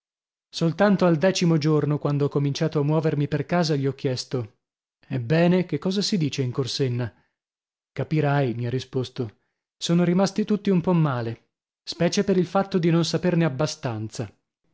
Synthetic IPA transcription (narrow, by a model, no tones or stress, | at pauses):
solt̪ant̪oald̪ɛːt͡ʃimod͡ʒornokwand̪oɔkːomint͡ʃaːt̪oamːwɔːvermiperkaːzaʎiɔk̟ːjɛst̪o | ɛbːɛːnekekːɔːzasid̪iːt͡ʃeiŋkorsenːa | kapiɾajmiarːispost̪o | soːnoɾimast̪it̪ut̪ːiumpɔmːaːle | spɛːt͡ʃepeɾilfat̪ːod̪inonsaperneabːast̪ant̪sa